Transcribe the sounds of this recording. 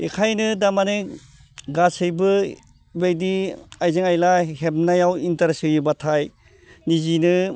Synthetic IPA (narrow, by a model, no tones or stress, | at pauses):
ekʰajnɯdamane | ɡasɯjbɯ | bejdiajzɯŋajlaɦebnajawintaɾesɯjubatʰaj | nizinɯ